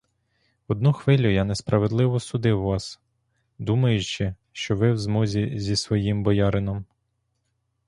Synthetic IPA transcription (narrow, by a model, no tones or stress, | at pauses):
ɔd̪nuxʋɪlʲʊjanespɾʔɐʋed̪lˠɪʋɔsʊd̪ɪwʋɑs | d̪umɐjʊt͡ʃɪ | ʃt͡ʃɔʋɪwzmɔzʲizʲisʋɔjimbɔjɑɾɪnɔm